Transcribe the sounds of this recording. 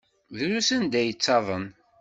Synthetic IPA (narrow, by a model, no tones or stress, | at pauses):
ðɾusənd̪æjət͡sːɑðˤən